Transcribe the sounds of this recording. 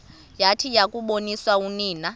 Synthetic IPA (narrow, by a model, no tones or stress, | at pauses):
jatʰijakʼuɓoniswauniːna